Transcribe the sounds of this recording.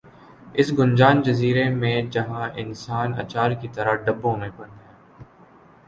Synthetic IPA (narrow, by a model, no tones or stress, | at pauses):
ɪsɡʊnd͡ʒaːnd͡ʒɐziːɾemẽd͡ʒɐɦãɪnsaːnɐ̰t͡ʃaːɾkit̪ɐɾaɖɐbɦõːnepɐɾɛ̃ː